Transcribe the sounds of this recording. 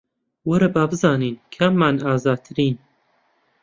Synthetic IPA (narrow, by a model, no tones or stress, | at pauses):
wɐɾɐbaːbɨzɑːniːnkʰɐmːanaːzaːd̪̚t̪ʰɨɾiːn